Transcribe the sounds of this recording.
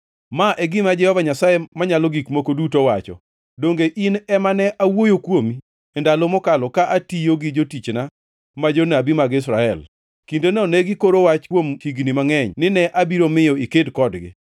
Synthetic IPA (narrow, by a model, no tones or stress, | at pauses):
maʔɛɡɪmad͡ʒɛhɔvaɲasajemaɲalɔɡikmokodutowat͡ʃɔ̰ | doŋɡeʔinɛmanɛʔawojokwomi | ɛndalɔmɔkalɔkaʔatijoɡɪd͡ʒotit͡ʃna | mad͡ʒonabimaɡɪs̬ɾaɛl | kindenɔnɛɡɪkoɾowat͡ʃkwomhiɡnimaŋɛɲnɪnɛʔabiɾomɪjɔikedkɔdɡɪ̰